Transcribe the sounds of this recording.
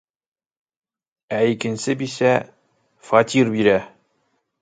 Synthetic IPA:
æjikɪ̆nsɪbisɛ | fɑt̪ʲʰiɾbiɾɛ

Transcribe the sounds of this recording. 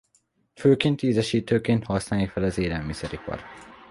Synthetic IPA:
føːkint̪iːzɛʃiːt̪øːkeːnhɒsnanikfɛlɒzeːlɛlmisɛɾikɒ̰ɾ

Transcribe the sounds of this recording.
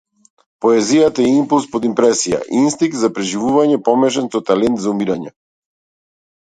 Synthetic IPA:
pɔɛzijat̪aɛimpulˠspod̪impɾɛsija̰ʔinst̪iŋk̚t̪zapɾɛʒivuvaɲɛpɔmɛʃ̬ɛnsɔt̪alɛnt̪zaumiɾaɲɛ

